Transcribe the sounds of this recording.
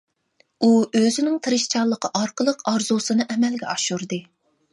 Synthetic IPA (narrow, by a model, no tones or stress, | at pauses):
uøzɪnɪŋt̪ʰɨɾɨʃt͡ʃʰɑlˠːəqʰəʔɑɾqəlˠəqɑɾzusɨnɨʔɛmɛlɡʲɛɑʃuɾd̪ɨ